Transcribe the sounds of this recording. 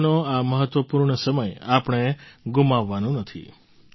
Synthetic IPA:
noaməɦət̪ːʋəpuɾɳəsəməjapɳ̃eɡumaʋːanũnət̪ʰḭ

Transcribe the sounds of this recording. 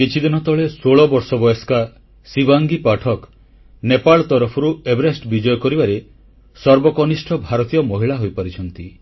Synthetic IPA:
ket͡ʃʰid̪inɔt̪ɔɭesoɭɔbɔɾsɔbɔjɔska | sibaŋɡipaʈʰɔk | nepaɭɔt̪ɔɾɔpʰɔɾuebɾesʈbid͡ʒɔjɔkɔɾibaɾe | sɔɾbɔkɔnisʈʰɔbʱaɾɔt̪ijɔmɔɦiɭaɦojpaɾit͡ʃʰɔnt̪i

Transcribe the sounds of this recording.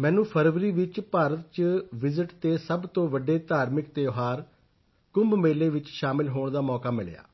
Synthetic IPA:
mɛ̃ːnũːpʰəɾʋɾiːʋɪt͡ʃpaːɾət̪̚t͡ʃʋɪzɪʈt̪eːsəbt̪õːʋəɖeːt̪aːɾmɪk̚t̪eːoɦaːɾ | kʊmbmeːleːʋɪt͡ʃʃaːmɪlɦoːɳ̃d̪aːmɔːkaːmɪɭja̰ː

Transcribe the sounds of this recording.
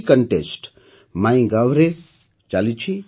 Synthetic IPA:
kəɳʈesʈ | maĩɡaʋɾe | t͡ʃalit͡ʃʰi

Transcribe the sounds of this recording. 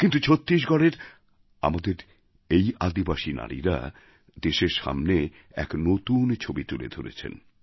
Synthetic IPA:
kint̪ut͡ɕʰot̪ːɾiʃ̬ɡɔɽeɾ | a̰mad̪eɾ | ejʔad̪ibaʃina̰ɽḭɾa̰ | d̪eʃeɾʃa̰mne | ɛ̰knot̪unt͡ɕʰobit̪ulḛd̪ʱoɾḛt͡ɕʰḛn

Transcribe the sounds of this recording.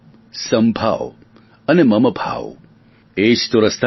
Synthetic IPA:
səmbʱa̰ʋ | ənemɐməbʱa̰ʋ | eːʃt̪oɾəst̪ʰ

